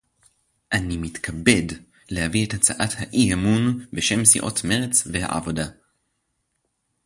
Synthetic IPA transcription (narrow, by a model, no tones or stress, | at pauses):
ʔanimit̪kʰabed | lehaviethat͡saʔathaʔiemunbeʃemsḭʔo̰tmeʁet͡sveha̰ʔa̰voda